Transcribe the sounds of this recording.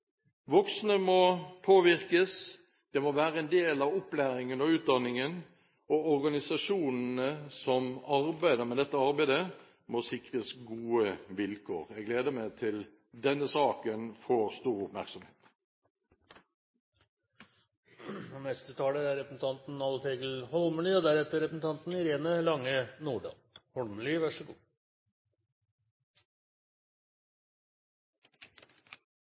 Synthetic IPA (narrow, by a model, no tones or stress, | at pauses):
ʋɔksnəmɔpʰoːʋɪʁkəs | d̪̥ɛmɔʋæːɾəɛnd̪eːlɑʋɔplæːɾɪŋənɔʉːt̪̚d̪ɑnːɪŋən | ɔɔɾɡɑnɪsɑʂuːnn̩əsɔmɑɾbæɪd̪əʁmɛd̪ɛt̪ːəɑɾbæɪd̪ə | mɔsɪkʁəsɡuːəʋɪlkʰo̰ːɾɛɡleːd̪əmæɪt̪ʰɪl | d̪ɛnːəsɑːkənfoːʁst̪uːɾʊpmæʁksɔmheːt̪ | nɛst̪ət̪ʰɑːləæɾɾɛpɾəsn̩t̪ʰɑnt̪n̩ɑləfeːɡəl̩hɔlməliːod̪æɾɛt̪ːəɾɛpɾsn̩t̪ʰɑnt̪n̩ɪɾeːnəlɑŋːənuːɖɑ̰ː | hɔlməliʋæʂəɡṵː